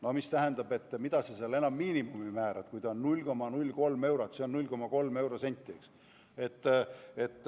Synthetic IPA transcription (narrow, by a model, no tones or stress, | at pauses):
no̞mist̪æɦend̪̥ɑbe̞t̪ːmid̪̥ɑseseɑle̞nɑmːiːnimumimæːɾɑd̪̥kujd̪̥ɑonːulʲko̞mːɑnulʲːko̞lme̞wɾɑt̪seo̞nnulʲko̞mɑko̞lme̞wɾo̞se̞nʲt̪ʲːˑieks | e̞t̪ːe̞t̪ˑː